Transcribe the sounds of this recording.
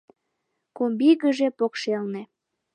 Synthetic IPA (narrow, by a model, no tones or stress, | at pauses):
kombiɣəʒepokʃelne